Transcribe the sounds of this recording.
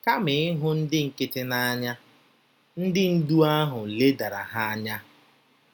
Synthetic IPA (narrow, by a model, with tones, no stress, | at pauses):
ka˦mɪ˨ɪ˦ɦʊ˦n̩˦dɪ˦ŋ̩˨kɪ˦tɪ˦na˦ɲa˦ | n̩˦dɪ˦n̩˦du˦a˦ɦʊ˨le˦da˨ɾa̰˨ɦa˦a˦ɲa˦